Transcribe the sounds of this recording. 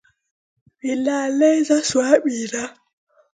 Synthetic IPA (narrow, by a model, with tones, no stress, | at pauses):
ɓi˨laː˨lɛ˦jza˦swaː˦ɓiː˨ɾa˦